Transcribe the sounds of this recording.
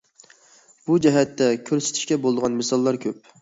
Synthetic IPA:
b̥ud͡ʒɛɦɛt̪ːɛkʲʰøɾsɪ̥t̪ʰɪ̥ʃkʲɛbolˠd̪əʁɑnmɪsɑlˠːɑɾkʲʰøp̚

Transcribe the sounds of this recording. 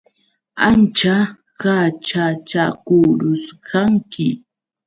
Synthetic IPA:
ant͡ʃa | kat͡ʃat͡ʃakuɾʊskaŋkɪ

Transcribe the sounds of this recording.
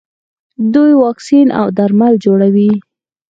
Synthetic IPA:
d̪ujwɑksinʔa̰wd̪aɾmald͡ʒoɽawi

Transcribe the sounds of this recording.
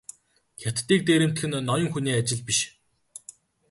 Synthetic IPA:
xʲat̪ːiːk̚t̪eːɾɘ̆m̥t̪xɘ̆nːɔjɞ̆ŋxuniːat͡ɕɪ̆ɮpiʃ

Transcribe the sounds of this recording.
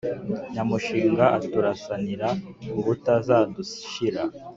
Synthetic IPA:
ɲamuʃiːŋɡaʔatuɾasaniɾauβutazaːdusi̥ʃiɾa

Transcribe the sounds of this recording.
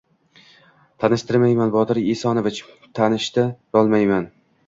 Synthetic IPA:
t̪ʰanɪʃt̪ɪɾmajmanbɒt̪ʰɪɾesɒnovɪt͡ʃ | t̪ʰanɪʃt̪aɾɒlˠmajman

